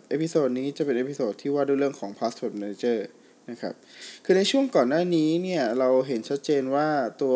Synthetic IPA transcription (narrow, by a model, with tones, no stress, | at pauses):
ʔe˦˥pʰi˧˥soː˨˧˩t̪̚niː˦˥t͡ɕa˨˩pe˧nʔe˦˥pʰi˧soː˨˩t̪ʰːiː˥˩waː˥˩duː˧˩ɾɯ˥˩əŋkʰɔː˩˦ŋpʰaː˦˥swoː˦˥˩t̪̚ma˧ne˧˥t͡ɕɤː˥˩ | na˦˥kʰɾa̰˦˥p̚kʰɯː˧na˧jt͡ɕʰu˥˩əŋkɔː˨˩nːaː˥˩niː˦˥ni˥˩ɐɾa˧wɦe˩˦nt͡ɕʰa˦˥t̪̚t͡ɕeː˧nwaː˥˩t̪u˧